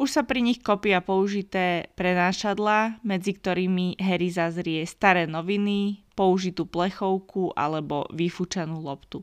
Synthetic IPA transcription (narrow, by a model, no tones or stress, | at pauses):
uʃsapɾiɲixkɔpiapɔuʒit̪ɛːpɾɛnaːʃad̪lamɛd͡zikt̪ɔɾiːmiɦɛɾizazɾɪɛst̪aɾɛːnɔʋinipɔuʒit̪uːplɛxɔʊkʰuʔa̰lɛbɔ̰ʋifut͡ʃanuːlɔpt̪u